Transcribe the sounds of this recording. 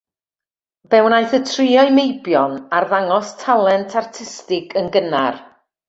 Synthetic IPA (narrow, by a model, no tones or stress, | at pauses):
b̥ɛwnajθətʰrɪɔɨmejbjɔnarðaŋɔstʰalˠɛntʰartʰɪstɪɡʰənɡənar